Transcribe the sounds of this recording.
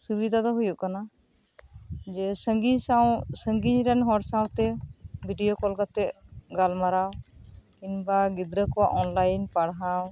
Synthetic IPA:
subid̪ʱad̪ɔɦujuʔkana | d͡ʒɛsəɡiɲsawsəŋɡiɲɾɛnɦɔɾsawt̪ɛbʱiɖijokɔlkat̪ɛʔɡalmaɾaw | inbaɡid̪ɾəkɔwa̰ʔɔnlajnpaɽɦaw

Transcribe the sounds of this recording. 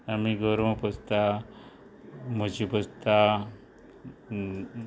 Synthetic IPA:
amiɡɔɾməpəst̪a | mət͡ɕipəst̪a

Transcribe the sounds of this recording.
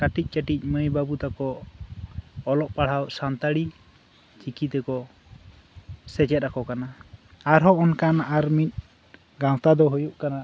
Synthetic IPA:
kaʈic̚ˀt͡ʃaʈic̚ˀməjbabut̪akɔ | lɔʔpaɽ̤awʔsant̪aɽi | t͡ʃikit̪ɛkɔ | sɛt͡ʃɛt̪̚akɔkanaaɾɦɔɔnkanaɾmit̪̚ | ɡãwt̪ad̪ɔɦujuʔkana

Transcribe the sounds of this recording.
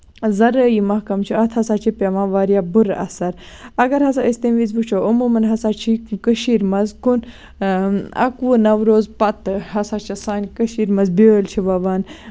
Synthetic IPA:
zɐɾəjimɐhkɐmt͡ʃʰiɐt̪ʰɐsaːt͡ʃʰipʲemaːʋaːɾijabuɾɐ̰sɐɾ | ɐɡɐɾɦɐsaist̪imʋiːzbut͡ʃʰoɐmuːmɐnɦɐsat͡ʃʰikəʃiːɾmɐzkun | ɐ̰kʋunɐwɾoːzpɐt̪ɨɦɐsaːt͡ʃʰɐsaːnʲkəʃiːɾmɐzbelt͡ʃʰiʋɐʋɐːn

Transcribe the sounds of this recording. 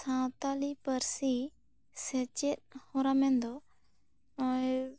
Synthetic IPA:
sãwt̪alipəɾsi | sɛt͡ʃet̪̚hɔ̃ɾamɛnd̪ɔ

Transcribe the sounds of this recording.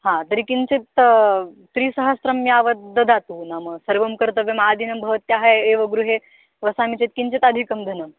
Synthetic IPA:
ɦãt̪əɾikint͡set̪ː | ɾiːsɐɦəsɾɐmːiaʋəd̪əd̪ʱat̪uːnaməsəɾʋɐmkəɾt̪əʋemaːd̪inɐmbʱɐʋɐt̪jaɦaeʋəɡɾuɦe | ʋəsamit͡set̪̚kint͡set̪ad̪ʱikɐmd̪ʱɐnəm

